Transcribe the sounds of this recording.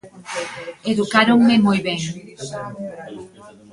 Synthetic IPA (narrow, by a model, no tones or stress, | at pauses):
eðukaɾoŋmemojβeŋ